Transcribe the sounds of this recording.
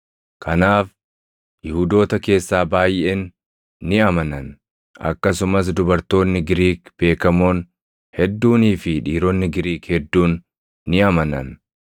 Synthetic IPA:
kʰɐnaːf | jɪhud̪o̞ːt̪ɐke̞ːsːaːbaːjenː | ɪɐmɐnɐn | ʔɐ̰kːɐsʊmɐs̬d̪ʊbɐɾt̪o̞ːnːɪɡɪɾiːkb̥e̞ːkɐmoːn | hɛd̪ːuːniːfɪᶑiːɾɔnːɪɡɪɾiːkhɛd̪ːuːnː | ɪɐmɐnɐ̰n

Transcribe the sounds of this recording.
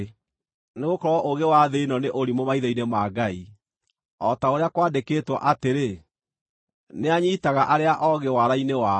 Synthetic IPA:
neɣokɔɾwɔʔoɣewaðenɔneʔoɾimomaiðɔinemaːɡai | ɔtaoɾeakwaːdekeːtwɔ̰ʔateɾe | neaɲitaɣaʔaɾeaʔɔɣewaɾainewa

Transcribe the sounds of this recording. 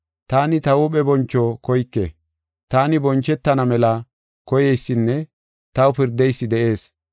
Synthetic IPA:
t̪aːnɪt̪ɐwʊɓɛbɔnt͡ʃːɔkɔjkːɛ̰ | t̪aːnɪbɔnt͡ʃːɛt̪ːɐnɐmɛlɐ | kɔjɛjsːɪnːɛ | t̪ɐwpɪɾd̪ɛjsːɪd̪ɛʔe̞ːs

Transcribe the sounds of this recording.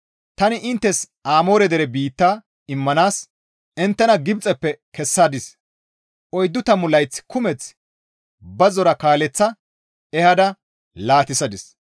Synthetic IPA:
t̪ɐnɪʔɪnt̪ːɛs | aːmo̞ːɾɛd̪ɛɾɛbiːt̪ːaː | ɪmːɐnaːs | ɪnt̪ːɛnɐɡɪbt͡sʼɛpːɛkɛsːad̪ɪs | ʔɔjd̪ːʊt̪ɐmʊlɐjt͡sːkʊmɛt͡s | bɐzɔɾɐkaːlɛt͡sːɐ | ɛhɐd̪ɐ | laːt̪ɪsɐd̪ɪs

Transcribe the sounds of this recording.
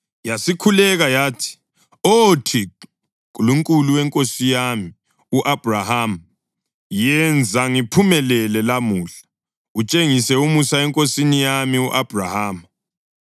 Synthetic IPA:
jasikʰulɛɣajaːtʰi̥ | otʰi | k̬ʼuluŋkʼuluwɛŋkʼosijami | uʔab̥ʱraham | jɛnd͡zʱaŋipʰumɛlɛlɛlamuːɬḁ | ut͡ʃʼeŋisɛumusaɛŋkʼosinijamiuʔab̥ʱrahaːma

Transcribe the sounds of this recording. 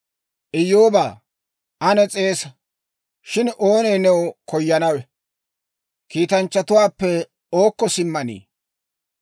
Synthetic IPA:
ʔɪjoːbaː | ʔɐnɛt͡sʼe̞ːsɐ | ʃɪno̞ːneːnɛwkɔjːɐnɐwɛ | kiːt̪ɐnt͡ʃːɐt̪ʊwaːpːɛ | o̞ːkːɔsɪmːɐnḭː

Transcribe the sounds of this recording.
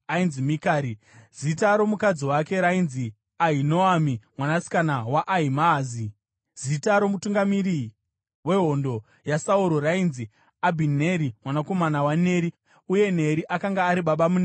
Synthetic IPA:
ainzimikaːɾi | zitaɾo̞mukad͡ziwake̞ɾainzi | aɦinoamimwanasi̥kanawaʔːɦimazi | z̥itaɾo̞mutuŋɡamiɾi | we̞ɦo̞ndo | jasauɾo̞rainzi | abʱineɾimwanako̞manawane̞ɾi | uje̞ne̞ɾiʔakaŋɡaːɾiɓaɓamuna

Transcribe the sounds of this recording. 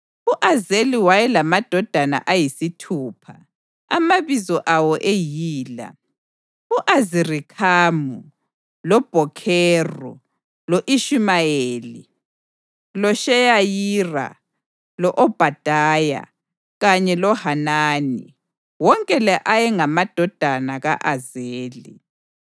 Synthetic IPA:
uʔazeliwajɛlamad̥ʱɔd̥ʱana̰ʔajisitʰuːpʰa | a̰maβizɔʔawɔʔejiːla̰ | uʔazirikʰaːmu | lɔb̥ʱɔkʰɛːrɔ̰ | loʔiʃimajeːlḭ | lɔʃɛjajiːra̰ | lɔʔɔb̥ʱad̥ʱaːja̰ | ɣaɲɛlɔhanaːnḭ | wɔŋkʼɛlɛʔajɛŋamad̥ʱɔd̥ʱanaɣa̰ʔazeːlḭ

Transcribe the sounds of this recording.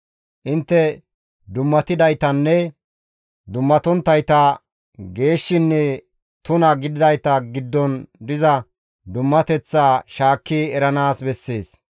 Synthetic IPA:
ʔɪnt̪ːɛ | d̪ʊmːɐt̪ɪd̪ɐjt̪ɐnːɛ | d̪ʊmːɐt̪ɔnt̪ːɐjt̪ɐ | ɡe̞ːʃːɪnːɛ | t̪ʊnɐɡɪd̪ɪd̪ɐjt̪ɐɡɪd̪ːɔnd̪ɪzɐ | d̪ʊmːɐt̪ɛt͡sːaːʃaːkːɪɛɾɐnaːsbɛsːeːs

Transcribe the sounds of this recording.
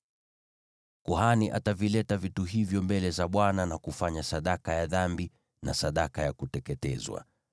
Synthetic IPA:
kuhaniʔatavilɛtavituɦivjɔmbɛlɛzaɓwananakufaɲasaɗakajaðambi | na̰saɗakajakutɛkɛtɛ̰zwa̰

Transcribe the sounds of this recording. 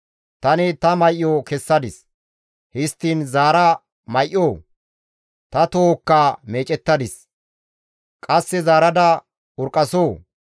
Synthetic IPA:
t̪ɐnɪt̪ɐmɐjʔjoːkɛsːɐd̪ɪs | hɪst̪ːiːnzaːɾɐ | mɐjʔːoː | t̪ɐt̪oːkːaːme̞ːt͡ʃʼɛt̪ːɐd̪ɪs | kʼɐsːɛzaːɾɐd̪ɐ | ʊɾkʼːɐsoː

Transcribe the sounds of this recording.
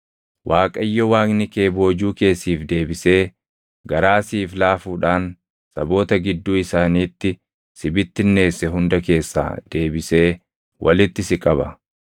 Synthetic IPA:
wʔaːkʼɐjːɔwaːknɪke̞ːbo̞ːd͡ʒuːke̞ːsːiːfd̪e̞ːbɪse̞ː | ɡɐɾaːsiːflaːfuːᶑaːn | sɐbo̞ːt̪ɐɡɪd̪ːuːɪsaːniːt̪ːɪ | sɪbɪt̪ːɪnːe̞ːsːɛɦʊnd̪ɐke̞ːsːa̰ːd̪̥e̞ːbɪse̞ː | wʔɐ̰lɪt̪ːɪsɪkʼɐbɐ̰

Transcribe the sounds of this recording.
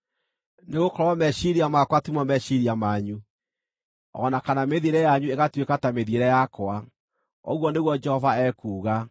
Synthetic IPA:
neɣokɔɾwamɛʃiɾiamakwatumɔmɛʃiɾiamaɲu | ɔ̰nakanameðieɾɛjaɲueɣatwekatameðieɾɛjakwa | ɔ̰ɣwɔneɣwɔd͡ʒɛhɔvaɛkuːɣa

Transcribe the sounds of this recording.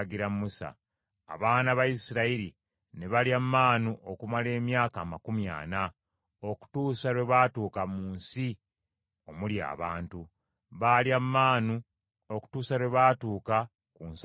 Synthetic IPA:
ɡiɾammusa̰ | a̰βaːnaβajisiɾaiɾi | neβaljammaːnuʔokumale̞ːmjaːkaːmakumja̰ːna | o̞ku̥tuːsaɾweβaːtuːkamuːnsi | o̞mulja̰ːβaːntu | βaljamːaːnu | o̞ku̥tuːsaɾweβaːtuːka | kuns

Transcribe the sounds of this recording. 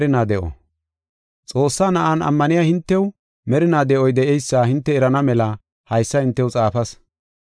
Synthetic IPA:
ɾɪnaːd̪ɛʔɔ̰ | t͡sʼo̞ːsːaːnɐʔanɐ̰mːɐnɪjaːhɪnt̪ːɛw | mɛɾɪnaːd̪ɛʔɔjd̪ɛʔɛjsːaːhɪnt̪ːɛːɾɐnɐmɛlɐ | hɐjsːɐhɪnt̪ːɛwt͡sʼaːfɐs

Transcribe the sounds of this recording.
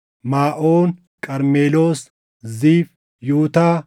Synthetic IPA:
maːʔoːn | kʼɐɾmeːlo̞ːs | ziːf | juːt̪aː

